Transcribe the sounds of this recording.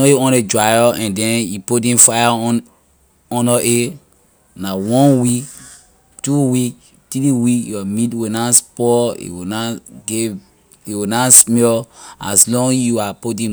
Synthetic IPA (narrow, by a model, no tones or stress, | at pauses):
oeɔ̃ned͡ʒɹajɔɛ̃ndɛ̃njipodĩfaja | ɔ̃nɔʔe | nawɔ̃nwik | tuwik | tiliwikjɔmitwenaspɔḭwinaɡe | iwinasmɛa̰slɔ̃ŋjuapodĩ